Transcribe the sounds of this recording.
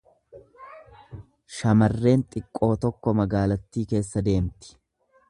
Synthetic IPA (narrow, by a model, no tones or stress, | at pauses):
ʃɐmɐrːe̞ːnt̪ʼɪkʼːo̞ːt̪ɔkːɔmɐɡaːlɐt̪ːiːke̞ːsːɐd̪e̞ːmt̪ɪ̥